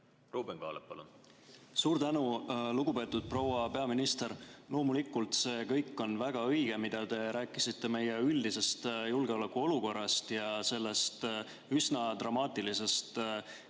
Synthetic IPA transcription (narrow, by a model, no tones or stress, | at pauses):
ruːbeŋɡ̥ɑ̰ːlepːɑlṵnsuːɾt̪ænuluɡ̥upe̞t̪ːˑud̪̥̚pro̞wɑpe̞ɑminist̪e̞ɾlo̞ːmulikːˑult̪se̞ːkɤjkːˑo̞nvæɡ̥ɑɤjɡ̥e̞mid̪̥ɑt̪e̞ɾæːkːˑisit̪ːe̞me̞je̞yld̪ise̞st̪julɡ̥e̞o̞lekuo̞luko̞rːɑst̪jɑse̞lːe̞st̪ | ysnɑt̪rɑmɑːt̪ˑilise̞st̪